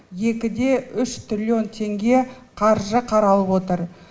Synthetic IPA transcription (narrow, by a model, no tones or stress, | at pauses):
je̞kʲɪd̪e̞ʔʏʃt̪rʲilʲio̞nt̪ʰe̞ŋɡʲe̞ | qʰɑɾʒəqʰɑɾɑlˠəpwot̪əɾ